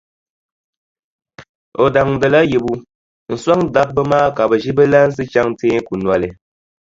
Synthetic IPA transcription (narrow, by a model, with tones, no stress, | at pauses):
o˨da˨ŋ̩˨də˨la˦ji˨bu˨ | n̩˨swa˦ŋ˦da˦p̚bə˦maː˦ka˨bə˨ʒi˦bə˦la˦n̩˦s̬ɨ˦t͡ʃa˦ŋ˦teː˦ŋ̩˦ku˨nwa˨le˨